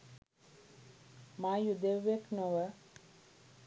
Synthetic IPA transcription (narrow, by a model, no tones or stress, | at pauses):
maːjud̪eʋːeknoʋə